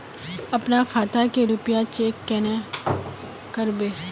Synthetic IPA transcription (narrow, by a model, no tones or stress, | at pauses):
ɐpnakʰaːt̪ʰakeɾʊpjat͡ʃeːkːɛːne | kəɾbeː